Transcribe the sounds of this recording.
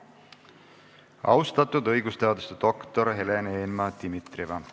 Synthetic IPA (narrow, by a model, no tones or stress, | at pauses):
ɑ̰wst̪ɑt̪ːˑud̪ɤjɡ̥ust̪eɑd̪ust̪et̪o̞kt̪oɾɦe̞lenenmɑd̪̥imit̪rivɑ